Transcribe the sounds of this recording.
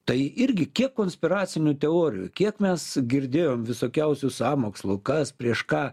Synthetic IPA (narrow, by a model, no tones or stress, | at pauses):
t̪ɐɪɪɾʲɡʲɪkʲiɛkːoːnʲsʲpʲɪɾɑːt͡s̪ʲɪnʲʊt̪ʲɛoːɾʲɪjṵkʲiɛkmʲɛsɡʲɪɾʲd̪ʲeːjoːmʋʲɪsoːkʲɛʊsʲʊsɑːmoːkslˠʊkɐspʲɾʲiɛʃkɑː